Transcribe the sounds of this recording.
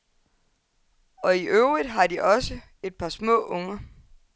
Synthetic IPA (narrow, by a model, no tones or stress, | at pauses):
ɒ̽iʔøʊʁid̥ˠɦɑ̈d̥iʔɒ̽sə | e̝d̥̚pʰɑ̈smɔ̰̽ːʔɔŋɐ